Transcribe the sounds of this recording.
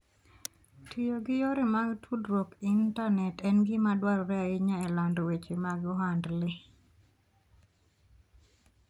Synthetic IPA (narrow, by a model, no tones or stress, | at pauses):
tʰijoɡɪjɔɾɪmaɡtʰudɾwokintanɛtɛnɡɪmadwalɾɛaɪɲaɛlandɔwet͡ʃemaɡɔɦandlɪ